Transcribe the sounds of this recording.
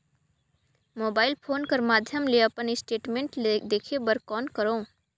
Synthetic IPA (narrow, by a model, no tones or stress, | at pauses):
moːbaːɪlpʰoːnkɐɾmaːd̪ʱjəmleɐpənɪsʈeːʈmẽːɳʈd̪eːkʰebəɾkɔːnkɐɾõː